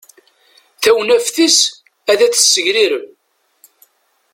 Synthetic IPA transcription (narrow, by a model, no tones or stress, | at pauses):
θæwnæfθis | æðæθə̥sːəʝɾiɾəm